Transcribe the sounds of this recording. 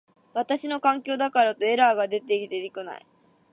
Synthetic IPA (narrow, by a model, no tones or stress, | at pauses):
βat̪aɕino̞kãŋkʲo̞ːd̪akaɾat̪o̞e̞ɾaːɡad̪e̞t̪e̞kʲit̪e̞ɾʲikona̰ḭ